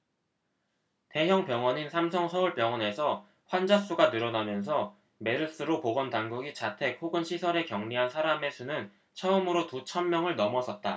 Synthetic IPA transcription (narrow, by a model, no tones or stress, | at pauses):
te̞ɦjʌŋpjʌŋwʌɲinsʰamsʰʌŋsʰʌuɭpjʌŋwʌne̞sʰʌ | ɸwand͡ʑas͈uɡanɯɾʌnamjʌnsʰʌ | me̞ɾɯs͈ɯɾopoɡʌntaŋɡuɡit͡ɕatʰe̞k̚hoɡɯnɕʰisʰʌɾe̞kjʌŋɲiɦansʰaɾame̞sʰunɯn | t͡ɕʰʌɯmɯɾotut͡ɕʰʌnːjʌŋɯɭnʌmʌsʰʌt̚t͈a